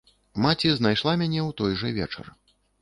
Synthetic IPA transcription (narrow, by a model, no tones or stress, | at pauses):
mat͡sʲiznajʂlˠamʲanʲɛwt̪ɔjʐɐvʲɛ̰t͡ʂɐ̰r